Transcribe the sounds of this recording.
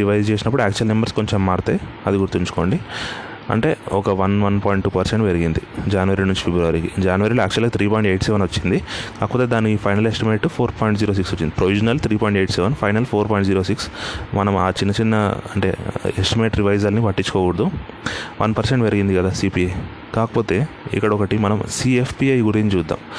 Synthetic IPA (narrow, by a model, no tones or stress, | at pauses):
ɾiʋɐjd͡ʒt͡ʃeːs̬inɐp̬ːuɽuaːk̚t͡ʃuɐlmembɐɾskoɲt͡ʃemːaːɾt̪e̞̰ːɐ̰d̪iɡuɾt̪iɲt͡ʃu̥ko̞̰ːɳɖi | ɐ̰ɳʈe̞ːɔkɐʋɐnʋɐnpaːjiɳʈpɐɾseɳʈeɾiɡind̪id͡ʒaːnuʋɐɾiɽnuɲt͡ʃi̥pʰebɾɐʋɐɾikid͡ʒaːnuʋɐɾiloaːk̚t͡ʃuɐlɐt̪ʰɾiːpɔːjiɳʈe̞ːʈsɛʋɐnʋot͡ʃːind̪ikaːkɐpɔːt̪eːd̪aːniːpʰɐjnɐlesʈimeːʈpʰoːɾpɔːjiɳʈd͡ʒiːɾoːs̬iksot͡ʃːind̪ipɾoʋid͡ʒɐnɐlt̪ʰɾiːpoːjɳʈeːʈsɛʋɐnpʰɐjnɐlpʰoːɾpɔːjɳʈd͡ʒiːɾoːsiksmɐnɐma̰ːt͡ʃinːɐt͡ʃinːɐɐ̰ɳʈe̞̰ːesʈimeːʈɾiʋɐjzɐlnipɐʈːit͡ʃːu̥koːkuɽɐd̪uʋɐnpɐɾseɳʈeɾiɡind̪ikɐd̪aːsiːpiɐj | kaːkɐ̥po̞ːt̪e̞ːḭkːɐɽɐɔkɐʈimɐnɐmsiːepʰpiɐjɡuɾiɲt͡ʃuːd̪ːa̰ːm